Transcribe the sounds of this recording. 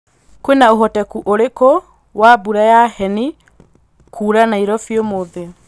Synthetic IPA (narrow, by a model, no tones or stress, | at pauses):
kwenaoɦɔtɛkuʔoɾeko | wabuɾajahɛni | kʰuːɾanaiɾɔfjomoðe